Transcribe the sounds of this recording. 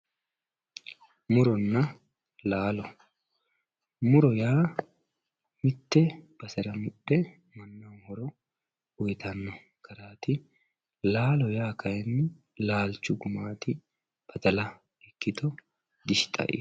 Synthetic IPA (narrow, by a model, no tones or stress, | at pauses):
mʊɾɔnːɐ | laːlɔ | mʊɾɔjaː | mɪt̪ːɛb̥ɐsɛɾɐmʊɗːɛ | mɐnːɐwhɔɾɔ | ɔjt̪ɐnːɔ | kʰɐɾaːt̪ɪ | laːlɔjaːkʰɐjɛnːɪ | laːlt͡ʃːʊɡʊmaːt̪ɪ | b̥ɐt̪ɐlɐ | ɛkːɪt̪ɔ | d̪ɪʃt̪ʼɐ̰ʔɪ̰